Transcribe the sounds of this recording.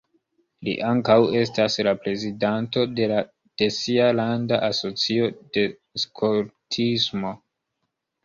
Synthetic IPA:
lḭʔaŋkawe̞s̬taslapɾe̞zidanto̞de̞la | d̥e̞sialandaʔaso̞t͡sio̞d̥e̞ | skʰoɾtʰismo̞

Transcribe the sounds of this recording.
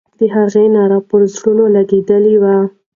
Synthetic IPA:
d̪əɦaɣenɑɾapəɾzɽunolaɡed̪əlewa

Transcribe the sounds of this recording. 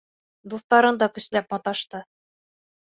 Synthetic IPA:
d̪uθt̪ɑɾɤnd̪ɑkɵ̆slæp̚mɒt̪ɑʃt̪ɤ

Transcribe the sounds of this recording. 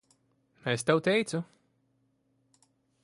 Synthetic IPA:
est̪awt̪ʲɛjt̪su

